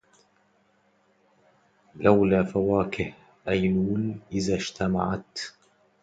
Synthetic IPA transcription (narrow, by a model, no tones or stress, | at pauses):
lʔawlaːfawaːkɪh | ʔajnuːnʔɪðaːʃt̪ama̰ʕat̪